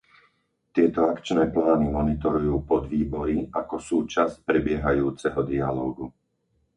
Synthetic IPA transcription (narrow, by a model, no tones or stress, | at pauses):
t̪ɪɛt̪ɔakt͡ʃnɛːplaːnimɔnit̪ɔɾujuːpɔd̪ʋiːbɔɾiakɔsuːt͡ʃasc̚pɾɛbɪɛɦajuːt͡sɛɦɔd̪ialɔːɡu